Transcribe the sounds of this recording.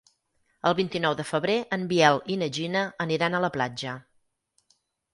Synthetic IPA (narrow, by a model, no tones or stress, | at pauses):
əlˠβint̪inɔwðəfəβɾeʔəmbiɛlinəʒinəəniɾanələplad͡ʒə